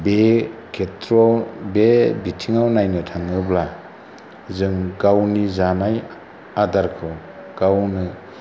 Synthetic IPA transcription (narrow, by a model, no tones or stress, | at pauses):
bekʰetɾɔbebitʰiŋawnajnɯtʰaŋɯbla | zɯŋɡawnizanaj | adaɾkʰɯ | ɡ̥awnɯ